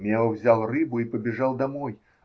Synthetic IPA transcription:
mʲɛwwzʲalˠrɨbʊipɐbʲɪʐalˠd̪amɔj

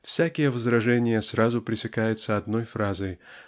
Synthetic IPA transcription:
fsʲækʲɪjəvəzɾɐʐɛnʲɪjəsrazʊpɾʲɪsʲɪkajʊt̪səɐd̪nojfɾazəj

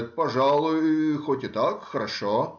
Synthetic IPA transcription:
t̪̚pɐʐɑlˠʊjʊxotʲɪt̪akxəɾɐʂo

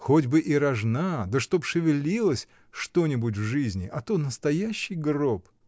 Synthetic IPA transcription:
xodʲbɨʔiɾɐʐnad̪əʂt̪o̞pʂɨvʲɪlʲilˠəsʲ | ʂt̪o̞nʲɪbʊt̬ʲvʐɨzʲnʲɪʔɐt̪onəst̪ɐjæɕːɪjɡrop

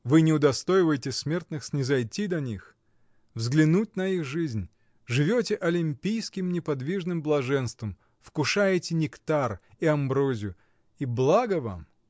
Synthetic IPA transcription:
vɨnʲɪʊd̪ɐst̪ojɪvəjtʲɪsmʲe̞rt̪nɨxsʲnʲɪzɐjtʲid̪ɐnʲix | vzɡlʲɪnut̚ʲnɐixʐɨzʲnʲ | ʐɨvʲotʲɪʔɐlʲɪmʲpʲijskʲɪmnʲɪpɐd̪vʲiʐnɨmblˠɐʐɛnst̪vəm | fkʊʂajɪtʲɪnʲɪkt̪ariɐmbɾozʲjʊ | iblˠaɡəva̰m

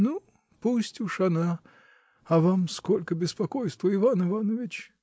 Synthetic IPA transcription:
nu | pusʲtʲuʂɐna | ɐvamskolʲkəbʲɪspɐkojst̪vəɪvanɨvanəvʲɪt͡ɕ

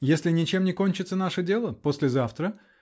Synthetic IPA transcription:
jesʲlʲɪnʲɪt͡ɕe̞mnʲɪko̞nʲt͡ɕɪt̪sənaʂədʲe̞lˠəposʲlʲɪzaft̪ɾə

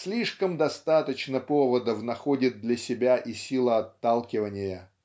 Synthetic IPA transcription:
sʲlʲiʂkəmd̪ɐst̪at̪ət͡ɕnəpovəd̪əfnɐxodʲɪt̪̚d̪lʲɐsʲɪbʲaʔisʲilˠəɐt̪ːalˠkʲɪvənʲɪjə

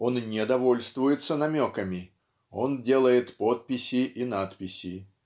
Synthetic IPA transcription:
o̞nnʲɪd̪ɐvo̞lʲst̪vʊjɪt̪sənɐmʲo̞kəmʲɪ | ondʲe̞lˠəjɪt̪po̞t̪̚pʲɪsʲɪʔinat̪pʲɪsʲɪ

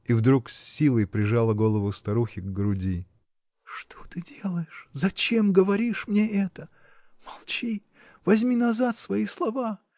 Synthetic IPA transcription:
ivd̪ɾuksʲːilˠəjpɾʲɪʐalˠəɡo̞lˠəvʊst̪ɐɾuxʲɪɡɡɾʊdʲi | ʂt̪ʰot̪ɨdʲe̞lˠəjɪʂzɐt͡ɕe̞mɡəvɐɾʲiʂmnʲeʔɛt̪ə | mɐlˠt͡ɕi | vɐzʲmʲinɐzat̪svɐislˠɐva

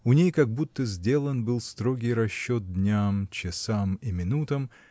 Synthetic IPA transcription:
ʊnʲejkɐɡ̚but̪ːəzʲdʲe̞lˠənbɨlˠst̪ɾo̞ɡʲɪjɾɐɕːot̪̚d̪ʲnʲamt͡ɕɪsamimʲɪnut̪əm

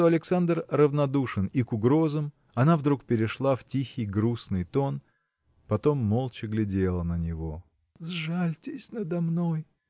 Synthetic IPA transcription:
t̪oɐlʲɪksand̪rrəvnɐd̪uʂɨnikʊɡɾo̞zəm | ɐnavd̪ɾukpʲɪɾʲɪʂlˠaftʲixʲɪjɡɾusnɨjt̪o̞n | pɐt̪o̞mːolˠt͡ɕɪɡlʲɪdʲelˠənənʲɪvo̞ | zʐalʲtʲɪsʲnəd̪ɐmno̞j

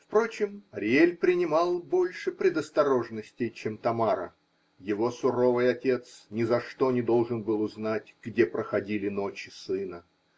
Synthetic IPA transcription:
fpɾo̞t͡ɕɪmɐɾʲɪelʲpɾʲɪnʲɪmɑlˠbo̞lʲʂɨpɾʲɪd̪əst̪ɐɾo̞ʐnəsʲtʲɪjt͡ɕemt̪ɐmaɾə̰ | jɪvo̞sʊɾo̞vɨjɐtʲe̞t̪snʲɪzɐʂt̪o̞nʲɪd̪o̞lˠʐɨnbɨlˠʊznat̚ʲɡ̥dʲepɾəxɐdʲilʲɪno̞t͡ɕɪsɨnə

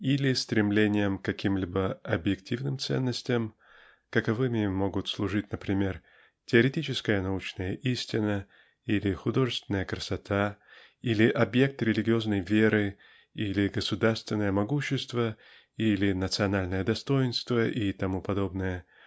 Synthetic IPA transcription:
ilʲɪst̪ɾʲɪmlʲenʲɪjəmkːɐkʲʰimlʲibəɐbjɪktʲʰivnɨmt̪sɛ̰nːəsʲtʲɪjəm | kəkɐvɨmʲɪmːo̞ɡʊt̪slˠʊʐɨtʲnəpɾʲɪmʲer | tʲɪəɾʲɪtʲit͡ɕɪskəjənɐut͡ɕnəjəʔisʲtʲɪnə | ilʲɪxʊd̪o̞ʐɨst̪vʲɪnəjəkɾəsɐt̪ʰa | ilʲɪʔɐbje̞k̚t̪ɾʲɪlʲɪɡʲɪo̞znəjvʲe̞ɾɨ | ilʲɪɡəsʊd̪arst̪vʲɪnːəjəmɐɡuɕːɪst̪və | ilʲɪnət̪sɨɐnalʲnəjəd̪ɐst̪o̞jɪnst̪vəʔit̪ɐmupɐd̪o̞bnɨjə

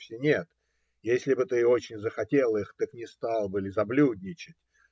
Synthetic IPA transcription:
fsʲɪnʲet̪ | jesʲlʲɪbɨt̪ɨo̞t͡ɕɪnʲzəxɐtʲe̞lˠixt̪əknʲɪst̪alˠbɨlʲɪzɐblʲudʲnʲɪt͡ɕɪtʲ

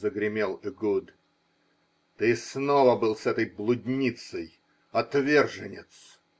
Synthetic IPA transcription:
zəɡɾʲɪmʲelˠɪɡud̪ | t̪ɨsnovəbɨlˠsɛt̪əjblˠʊd̪ʲnʲit̪səj | ɐt̪vʲerʐɨnʲɪt̪s

